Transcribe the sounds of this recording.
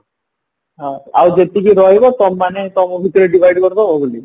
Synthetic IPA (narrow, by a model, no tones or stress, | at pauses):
ɦãa̰wd͡ʒet̪ikiɾɔɦjbɔt̪ɔmːanet̪ɔmɔbʱit̪ɔɾeɖibʱajɖkɔɾt̪ɔbʱɔɡuli